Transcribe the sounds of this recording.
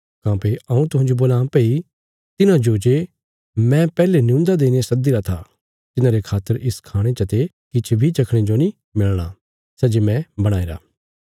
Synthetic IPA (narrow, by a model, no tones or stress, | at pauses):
kãːpeʔɐũt̪ʊɦãd͡ʒoboːlãːpei | t̪ɪnãd͡ʒoːd͡ʒe | mɛ̃pɛːlenɪũːnd̪ad̪eːñeasɐd̪iɾat̪ʰa | t̪ɪnãɾekʰaːt̪ːəɾɪskʰaːɽ̃et͡ʃɐt̪e | kɪt͡ʃʰbʱit͡ʃɐkʰɽ̃ed͡ʒonĩ | mɪlɽ̃a | sɛd͡ʒemɛ̃bɐɽ̃aːeɾa̰ː